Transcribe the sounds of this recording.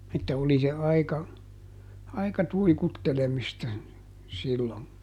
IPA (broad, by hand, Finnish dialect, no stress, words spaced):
etːæ oli se ɑikɑ ɑikɑ tuikutːelemistɑ silːon